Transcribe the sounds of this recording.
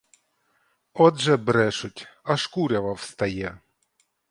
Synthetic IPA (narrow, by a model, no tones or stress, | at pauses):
ɔd̪ʒɛbɾɛʃʊtʲɐʂkuɾʲɐʋɐwst̪ɐjɛ